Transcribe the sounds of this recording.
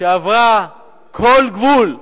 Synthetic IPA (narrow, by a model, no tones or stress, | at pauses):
ɐva | kʰolɡʋul